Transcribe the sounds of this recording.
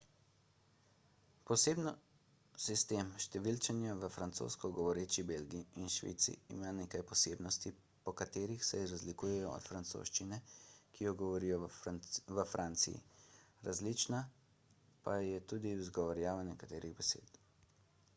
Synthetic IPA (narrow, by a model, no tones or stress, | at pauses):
pɔseːbnɔ | sist̪emʃt̪ɛʋilt͡ʃɛnjaʋəfɾant̪so̰ːskɔɡɔʋɔɾeːt͡ʃibelɡiiːnʃʋḭːt̪sḭḭmaːneːkajpɔseːbnɔst̪i | pɔkat̪eːɾixsɛɾazlikuːjɛjɔɔ̰t̪fɾant̪so̰ʃt͡ʃinɛkʰijɔɡɔʋɔɾiːjɔ | ʋəfɾʔaːnt̪sḭjḭɾazlit͡ʃna | pajɛt̪uːd̪iuzɡɔʋaɾjaːʋanɛkat̪eːɾiɣbɛsḛːt̪